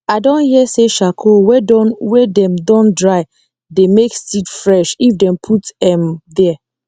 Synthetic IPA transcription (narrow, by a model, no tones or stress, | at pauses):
aɪdõnhiɛseʃakʰowɛdɔnwɛdɛ̃mdɔ̃ndɹaɪ | demekstidfɹɛʃifdɛ̃mpʰutɛ̃mdɛ